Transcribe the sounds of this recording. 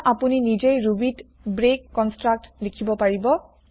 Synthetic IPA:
ʔapuninid͡ʒejɹubit | bɹekːɔnstɹak̚tlekʰibɔpaɹibɔ

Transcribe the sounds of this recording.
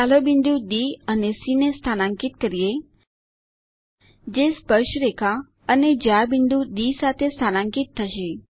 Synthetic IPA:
alobind̪ud̪iənesinest̪ʰanãŋkit̪kəɾije | d͡ʒespəɾʃəɾekʰa | əned͡ʒabind̪uɖ̪isat̪ʰest̪ʰanãŋkit̪ʰːəʃe

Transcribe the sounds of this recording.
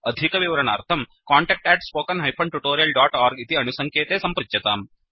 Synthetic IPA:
ɐd̪ʱikɐʋiʋɾɐnaːɾt̪ʰɐmkaːɳʈɛːk̚ʈɛːʈspoːkɐnɦɐjpʰɐɳʈuʈoːɾijɐlɖaːʈaːɾɡit̪iɐnusɐŋkʰeːt̪eːsɐmpɾɪt͡ʃjɐt̪aːm

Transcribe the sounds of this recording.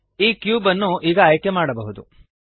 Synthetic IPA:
iːkjuːbɐnːuʔiːɡɐːjkjemaːɽɐbɐɦud̪u

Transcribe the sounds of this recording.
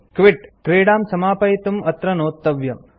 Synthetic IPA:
kʋɪʈkɾeːɽaːmsɐmaːpɐjit̪umɐt̪ɾɐnoːt̪ːɐʋjɐ̰m

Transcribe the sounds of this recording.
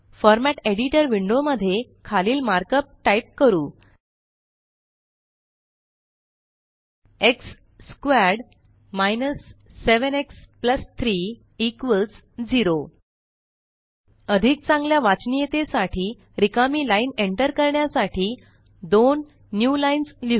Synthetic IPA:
fɔɾmæʈeɽiʈəɾʋiɳɖoməd̪ʱːjekʰaliːlmaɾkəp̚ʈajp̚kəɾuː | eksː | kʋɛɾɽ | majnəsːeʋənekspləst̪ʰɾiː | kʋəlt͡s | d͡ziɾo | əd̪ʱik̚t͡sãŋɡljaʋat͡snijet̪esaʈʰiː | ɾikamiːlaineɳʈəɾkəɾɳjasaʈʰiː | d̪onː | julainsli

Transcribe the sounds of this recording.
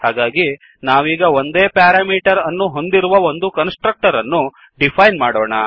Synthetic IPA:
haːɡaːɡi | naːʋiːɡɐo̞nd̪eːpaːɾaːmiːʈɐɾɐnːuɦo̞nd̪iɾuʋɐo̞nd̪ukɐnsʈɾɐk̚ʈɐɾɐnːu | ɖipʰɐjnmaːɽoːɳɐ

